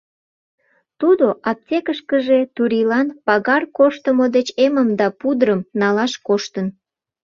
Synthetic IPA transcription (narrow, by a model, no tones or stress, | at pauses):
t̪ud̪oʔɑp̚tʲekəʃkəʒet̪uɾilɑnpɑɣɑrkoʃt̪əmod̪et͡ɕeməmd̪ɑpud̪ɾəmnɑlɑʃkoʃt̪ən